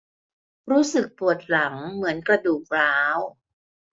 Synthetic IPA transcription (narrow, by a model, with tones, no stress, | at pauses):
ɾuː˦˥sɯ˨˩k̚pu˨˩ət̪̚la˩˦ŋmɯ˩˦ənkɾa˧duː˨˩k̚ɾaː˦˥w